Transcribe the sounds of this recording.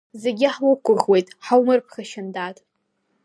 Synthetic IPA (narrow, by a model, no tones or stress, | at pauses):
zeɡʲɪħwʊkʷʊʁwe̞jtʼħawmɨrpʰχaʃɪndatʼ